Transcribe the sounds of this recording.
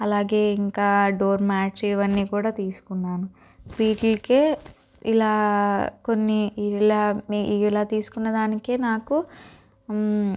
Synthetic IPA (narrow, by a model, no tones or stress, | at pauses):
ɐlaːɡe̞ːiŋkaːɖoːɾmaːt͡ʃiʋɐnːiːkuːɽaːt̪iːsu̥kunːaːnu | biːʈlkeː | ilaːko̞nːilaːiːilaːt̪iːsu̥kunːɐd̪aːnikeːnaːku